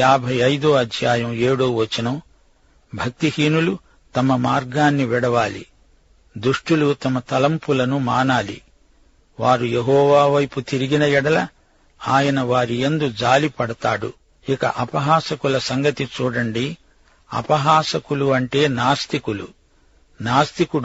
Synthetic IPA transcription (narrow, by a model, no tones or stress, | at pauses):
aːbʱɐjɐjd̪uːɐd̪ʱjaːjɐme̞ːɽuːʋɐt͡ʃːɐnɐm | bʱɐk̚t̪ihiːnulu | t̪ɐmɐmaːɾɡaːnːiʋiɽɐʋaːlḭ | d̪uʂʈulut̪ɐmɐt̪ɐlɐmpulɐnumaːnaːlḭ | ʋaːɾujeɦɔːʋaːʋɐjput̪iɾiɡinɐjɛɽɐlɐ | aːjɐnɐʋaːɾiend̪ud͡ʒaːlipɐɽɐt̪aːɽṵ | ikɐ̰ʔɐpɐɦaːsɐkulɐsɐŋɡɐt̪it͡ʃuːɽɐɳɖi | ɐ̰pɐɦaːsɐkuluɐɳʈe̞ːnaːst̪ikulṵ | naːst̪ikuɽ